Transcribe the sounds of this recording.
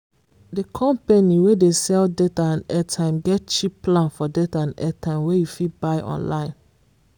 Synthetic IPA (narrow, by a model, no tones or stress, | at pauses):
dekʰɔ̃mpeniwedesɛldetaãnɛtʰãɪ̃mɡɛt̚t͡ʃipplãnfɔdetaãnɛtʰãɪ̃mwejufit̚baɪʔɔ̰̃nlã̰ɪ̃n